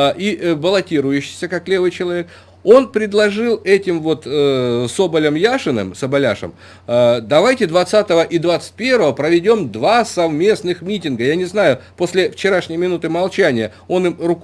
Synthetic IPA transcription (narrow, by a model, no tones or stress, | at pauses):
ʔibəlˠɐtʲiɾʊjʉɕːɪ̥jsʲəkaklʲe̞vɨjt͡ɕɪlˠɐvʲe̞k̚ | o̞npɾʲɪd̪lˠɐʐɨlˠɛtʲɪmvo̞t̪so̞bəlʲəmjaʂɨnɨ̰msəbɐlʲa̰ʂə̰m | d̪ɐvajtʲɪd̪vɐt̪sat̪əvəʔid̪vat̪sɨ̥t̚ʲpʲe̞rvəvəpɾəvʲɪdʲo̞md̪vasɐvmʲe̞snɨxmʲitʲɪnɡəjanʲɪznajʊpo̞sʲlʲɪft͡ɕɪɾaʂnʲɪjmʲɪnut̪ɨmɐlˠt͡ɕænʲɪjə | o̞nɨmrʊk